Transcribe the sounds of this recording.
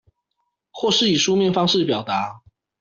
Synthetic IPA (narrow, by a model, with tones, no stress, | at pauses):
xwɔ˥˧ʂɻ̩˥˩i˨˩ʂu˥mjɛ˥˨nfɑ˥ŋʂɻ̩˥˨˩pjɑ˨˩ʊt̪a˨˦